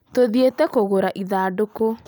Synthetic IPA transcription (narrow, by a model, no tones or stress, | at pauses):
toðietɛkoɣoɾaʔiðaːdoko